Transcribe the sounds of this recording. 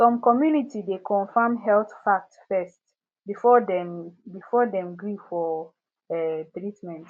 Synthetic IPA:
sɔ̃mkɔmjunitidekʰɔ̃nfamɦɛlθfak̚tsfɛst | bifɔdɛ̃mbifɔdɛ̃mɡɹifɔ | ɛt̪ɹitmɛ̃nt

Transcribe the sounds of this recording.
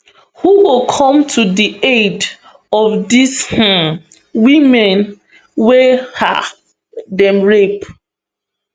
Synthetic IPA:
huwokʰɔ̃mtʰudied | ɔfdish̩ | wimɛ̃n | weha̰ | dɛ̃mɹep

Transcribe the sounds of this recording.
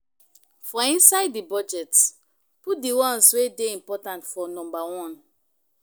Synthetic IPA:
fɔĩnsaɪdːibɔd͡ʒɛt | put̚diwɔ̃nswedeĩmpɔtãntfɔnɔ̃mbawɔ̃n

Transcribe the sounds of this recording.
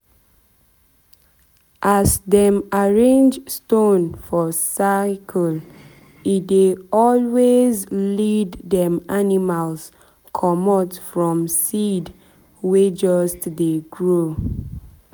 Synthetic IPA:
ʔasdɛ̃maɹẽnd͡ʒstõnfɔsakʰəl | it̚deɔlwezlidːɛ̃manimals | kʰɔmɔtfɹɔ̃msid | wed͡ʒɔstdeɡɹo

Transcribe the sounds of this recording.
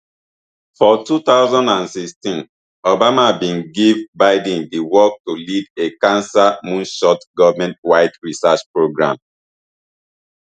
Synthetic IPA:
fɔtut̪aʊzɔ̃ndãnsikstĩn | obamabĩnɡivbaɪdĩndiwɔk̚tulidekãnsamũnʃɔtɡɔvmɛ̃ntwaɪtɹisat͡ʃpɹoɡɹã̰m

